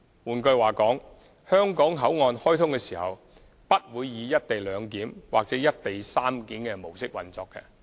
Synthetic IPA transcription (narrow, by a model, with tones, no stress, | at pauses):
wuː˨nkɵ˧ɥwaː˨˩kɔː˨˥ŋ | hœː˥ŋkɔː˨˥ŋɦɐ˨˥wŋɔː˧nhɔː˥jt̪ʰʊ˥ŋkɛː˧siː˨˩hɐ̰˨w | pɐ˥t̚wuː˨˧jːiː˨˧jɐ˥t̚t̪e˨jlœː˨˧ŋkiː˨˥mwa̰ː˨k̚t͡sɛː˨˥jɐ˥t̚t̪e˨jsaː˥mkiː˨˥nkɛː˧mo˨˩wsɪ˥k̚wɐ̰˨nt͡sɔː˧kːɛ̰˧